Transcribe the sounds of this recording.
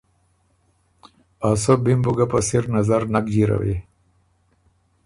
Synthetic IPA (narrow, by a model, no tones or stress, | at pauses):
asobimbuɡapasiɾnazaɾnakd͡ʒiɾa̰wḛ